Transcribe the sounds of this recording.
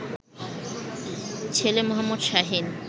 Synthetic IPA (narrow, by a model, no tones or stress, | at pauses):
t͡ɕʰelemoɦamːod̪ʃaɦin